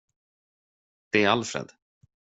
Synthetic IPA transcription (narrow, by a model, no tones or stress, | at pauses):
b̥eːalfɾɛ̰d̪̥